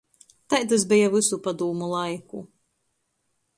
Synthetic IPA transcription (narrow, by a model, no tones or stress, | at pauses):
t̪ajt̪as̬bɛjavɨsupad̪uːmulˠajku